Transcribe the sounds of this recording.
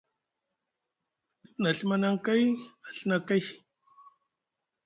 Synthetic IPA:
ipna˨ɬmanaŋka˦ja˨ɬnaka˦j

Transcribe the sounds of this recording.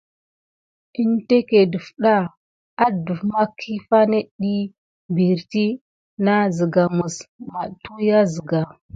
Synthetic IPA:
i˦nte˦ke˨də˨fɗa˦ | a˦du˨fma˦kʰi˦fa˦ne˦ɗi˦ | bi˨ɾti˦ | na˦zə˨ɡa˨mu˨sma˨tu˦ja˦zi˨ɡa˨

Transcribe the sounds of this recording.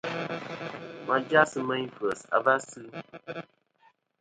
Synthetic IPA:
ma˨d͡ʒa˦sɨ˦mə˦ɲi˦fə˨sa̰˨ba˦sɨ˦

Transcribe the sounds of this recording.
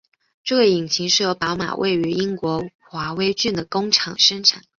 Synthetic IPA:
ʈ͡ʂɤ˥˧we˧˩i˨˩ŋt͡ɕʰi˧˥ŋʂɻ̩˥˩jo˧˥ʊpɑ˧˥ʊma̰˨˩wʔḛ˥˩ɪy˧˥i˥ŋkwɔ˧˥ | xwa˧˥we˥ɪt͡ɕy˥˩nd̪ə˩kʊ˥ŋʈ͡ʂʰɑ˨˩ŋʂə˥ŋʈ͡ʂʰa˨˩˦n

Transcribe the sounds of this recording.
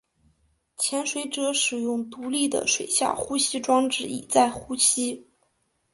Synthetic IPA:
t͡ɕʰjɛ˧˥nʂwe˧˥ɪʈ͡ʂɤ˥ʂɻ̩˨˩jʊ˥˩ŋt̪u˧˥li˥˩d̪ə̰˩ʂwe˨˩ɪɕja̰˥˩xu˥ɕi˥ʈ͡ʂwɑ˥ŋʈ͡ʂɻ̩˥˩ḭ˨˩t͡sa˥˩ɪxu˥ɕʰi˥

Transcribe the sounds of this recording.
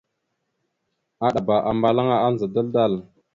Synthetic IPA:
a˨ɗa˨ba˨ʔa˨mba˨la˦ŋa˨a˦n˨za˨da˦lda˦˨l

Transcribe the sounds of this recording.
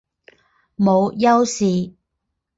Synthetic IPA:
mo˨˧wjɐ˥wsiː˨

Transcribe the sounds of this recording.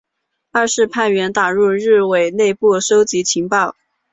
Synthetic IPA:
a˥˧ʂɻ̩˥˧pʰa˥˩nɥɛ˧˥nt̪a˨˩ɻu˥˧ɻɻ̩˥˩we˨˩ɪne˥˧ɪpu˥˩ʂo˥ʊt͡ɕi˧˥t͡ɕʰi˧˥ŋpɑ˥˩ʊ

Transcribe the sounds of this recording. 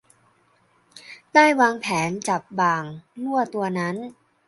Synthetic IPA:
daː˥˩jwaː˧ŋpʰɛː˩˦nt͡ɕa˨˩p̚baː˨˩ŋnu˥˩ɐt̪u˧ɐna˦˥n

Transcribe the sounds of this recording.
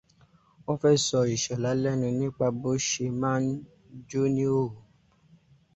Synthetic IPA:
o˦fɛ˦sɔ˧i˨ʃɛ˨la˨˦lɛ˦nũ˧nĩ˦k͡pa˧bo˦ʃe˧mã˦n˦ | d͡ʒo˦nĩ˦o˦˨u˨

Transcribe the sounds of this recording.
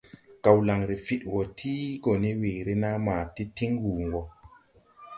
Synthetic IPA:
ka˨wla˨ŋɾi˨fi˦two˨tʰi˦ɡo˨ni˦weː˨ɾi˦na˦maː˨ti˦ti˦ŋwu˨ŋɡo˨

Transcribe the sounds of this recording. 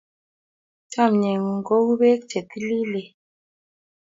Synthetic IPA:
t͡ʃa˦˨mɲe˨ŋ˨ŋ̩˨ɡo˦wbe˦k̚t͡ʃe˨ti˦li˦le˨

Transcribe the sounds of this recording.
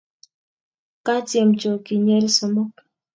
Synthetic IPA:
ka˦tje˨mt͡ʃo˨ki˨ɲɛ˦lsɔ˨mɔ˦k

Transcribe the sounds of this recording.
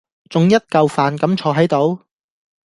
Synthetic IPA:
t͡sʊ˨ŋjɐ˥t̚kɐ˧wfaː˨nkɐ˨˥mt͡ʃʰɔː˧ɦɐ˨˥jt̪o˨˥w

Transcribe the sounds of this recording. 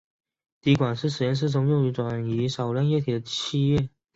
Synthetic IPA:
t̪i˧˥kwa˨˩nʂɻ̩˥˩ʂɻ̩˨˩jɛ˥nʂ̬̩˥˧t͡sʰʊ˧˥ŋjo˥˩y˧˥ʈ͡ʂwa˨˩ny˧˥ʂɑ˨˩ʊla˥˧njɛ˥˩t̪ʰi˨˩d̪ə˦t͡ɕʰi˥˧ɥɛ˥˩

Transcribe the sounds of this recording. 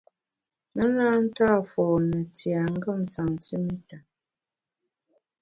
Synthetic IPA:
nə˦na˦n̩˦taː˦˨fɔ˨nə˨ti˨a˨ŋ̩˦ɡə˦˨m˨sa˨ŋ˨ti˦mi˦ta˨

